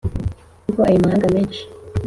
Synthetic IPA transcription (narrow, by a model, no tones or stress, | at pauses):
koajumahaːŋɡameːnʃi̥